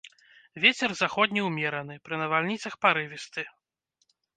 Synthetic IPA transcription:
vʲet͡sʲɛrzaxɔd̪ʲnʲiwmʲɛɾɐn̪ɨpɾɨnɐvalʲnʲit̪sɐxpaɾɨvʲist̪ɨ

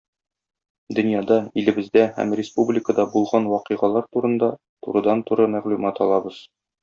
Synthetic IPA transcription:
d̪ɵ̆njɑd̪ɑilɘ̆bɘ̆zd̪æhæ̰mrʲɪspublʲɪkəd̪ɑbulˠʁɑnwɒqɤʁɑlˠɑɾt̪uɾɤ̆nd̪ɑ | t̪ṵɾɤ̆d̪ɑnt̪uɾɤmæʁlʉmɑt̪ɒlˠɑbɤz̥

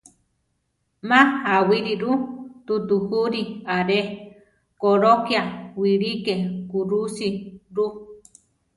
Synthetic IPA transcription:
mãhawiɾiɾut̪ut̪uhuɾiaɾe | koɾokjawiɺikekuɾusiɾu

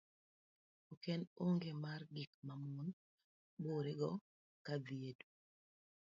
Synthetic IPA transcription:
okɛnoŋɡemarɡik̚mamun | boɾeɡɔ | kadiedu

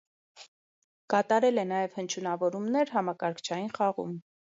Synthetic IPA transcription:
kɑt̪ɑɾɛlɛnɑjɛvhənt͡ʃʰunɑvɔɾumnɛɾɦɑmɑkɑɾkʰt͡ʃʰɑjinχɑʁṵm

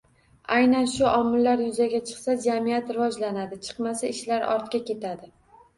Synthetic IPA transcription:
ajnanʃʊʔɒmːɪlːaɾjʊzaɡʲat͡ʃʰɨ̥qsad͡ʒamijat̪ɾɪvɒd͡ʒlanad̪ɪt͡ʃʰɨ̥qmasaɪʃlaɾɒ̰ɾt̪kʲakʲe̞t̪ʰad̪ɪ

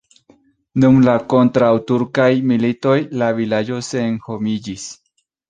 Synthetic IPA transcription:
numlakont̪ɾawt̪uɾkajmilit̪ojlaβilajoseŋxomiʎis

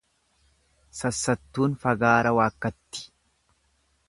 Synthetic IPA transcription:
sɐsːɐt̪ːuːnfɐɡaːɾɐwaːkːɐt̪ːɪ̥

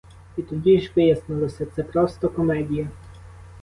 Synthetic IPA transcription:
it̪ud̪ʲiʒbʲɛjɛsnɔlɔsɛt̪sɛpɾɔst̪ɔkɔmɛd̪ʲijɛ

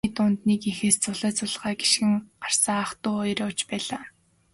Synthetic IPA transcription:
it̪ʊnt̪niːkixeːst͡sʊɮæːt͡sʊɮʁaːɡi̥ʃxɘ̆ŋɢar̥sə̆ŋaχt̪ʊːɔjɾɔːt͡ɕpæːɮaː

